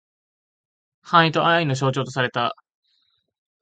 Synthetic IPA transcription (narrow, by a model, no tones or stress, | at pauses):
hãɰ̃it̪o̞aaino̞ɕ̬o̞ːt͡ɕo̞ːt̪o̞saɾe̞t̪a